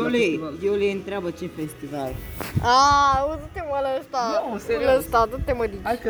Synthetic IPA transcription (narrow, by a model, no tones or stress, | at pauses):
lejewleɨnt̪ɾeabət͡ʃefest̪ivaɾauzut̪emələst̪aoləst̪ad̪ut̪ːeməd̪it͡ʃ